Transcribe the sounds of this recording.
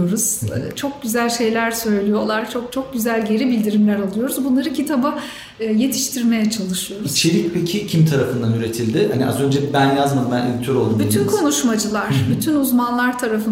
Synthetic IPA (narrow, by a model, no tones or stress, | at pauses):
oɾuz̥̰t͡ʃʰo̞k̚ɟyzælʲʃe̞jlʲæɾsø̞jlʲijo̞lˠaɾt͡ʃʰo̞k̚t͡ʃʰo̞k̚ɟyzælʲɟe̞ɾibilʲd̪iɾimlʲæɾalˠɯjo̞ɾuzbunlˠaɾɯcʰit̪ʰabɯ | je̞t̪ʰi̥ʃt̪ʰiɾme̞jɛt͡ʃʰalˠɯʃɯjo̞ɾuit͡ʃʰe̞ɾicpʰecʰicʰimt̪ʰaɾafɯnd̪anyɾe̞t̪ʰilʲd̪ɪhaniʔa̰zø̞nd͡ʒɛbænjazmambænḛlʲt̪ʰøɾo̞lˠumbyt̪ʰynkʰo̞nuʃmad͡ʒɯlˠaɾ̥byt̪ʰynuzmanlˠaɾt̪ʰaɾafɯn